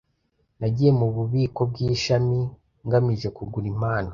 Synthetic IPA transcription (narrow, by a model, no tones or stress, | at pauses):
naɟije̞muβuβiːko̞b̚ɡiːʃami | ŋɡamiʒe̞kuɡuɾim̥aːno